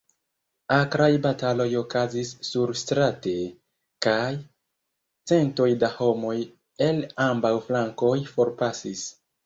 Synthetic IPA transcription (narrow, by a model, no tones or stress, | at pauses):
akɾajbatalo̞jo̞kazisːuɾstɾate̞ | kaj | t͡se̞nto̞jdaho̞mo̞j | e̞lambawflaŋko̞jfo̞ɾpasis